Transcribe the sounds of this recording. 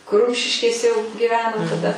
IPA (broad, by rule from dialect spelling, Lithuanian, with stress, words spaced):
kʊr ˈrʊmʲʃʲɪʃʲkʲeːsʲɛ jɛʊ ɡʲɪˈʋʲæːnoː tɐˈdɐ